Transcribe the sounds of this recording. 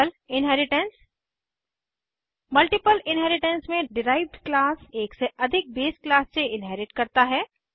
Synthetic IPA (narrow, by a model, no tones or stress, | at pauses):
l | ɪnɦɛɾɪʈəns | mɐlʈɪpəlɪnɦɛːɾɪʈə̃nsmẽɖɪɾaːɪʋɖklaːseːkseʔɐd̪ʱɪk̚beːsklaːsseɪnɦɛːɾɪʈkɐɾt̪aɦɛː